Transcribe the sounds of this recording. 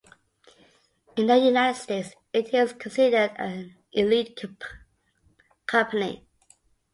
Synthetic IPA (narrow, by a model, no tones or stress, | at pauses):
ɨ̃nðəjunaɪtd̥steɪts | ɪtɪz̥kʰə̃nsɪdədə | ʔɪlit̚ʰ | kʰʌ̃mpʰənḭ